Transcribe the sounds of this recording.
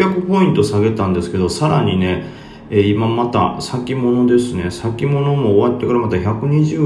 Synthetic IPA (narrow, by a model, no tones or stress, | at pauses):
akɯ̟po̞ĩnt̪o̞saɡe̞t̪ãnd̪e̞sɨ̥ke̞d̪o̞saɾaɲ̟ine̞ | eːimamat̪a̰sakʲimo̞no̞d̪e̞sɨne̞sakʲimo̞no̞mo̞ːβat̪ːe̞kaɾamat̪açakɯ̟ɲ̟iʑɨː